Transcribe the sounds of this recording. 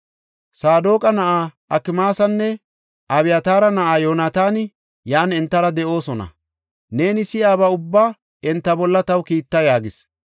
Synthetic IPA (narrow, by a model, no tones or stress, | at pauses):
saːd̪oːkʼɐnɐʔaːʔɐkːɪmaːsɐnːɛ | ʔɐβɪjɐt̪aːɾɐnɐʔaːjo̞ːnaːt̪aːn | jaːnɛnt̪ːɐɾɐd̪ɛʔo̞ːsɔnɐ̰ | ne̞ːnɪsɪjaːbɐʊbːaː | ɛnt̪ːɐbɔlːɐt̪ɐwkiːt̪ːɐjaːɡɪs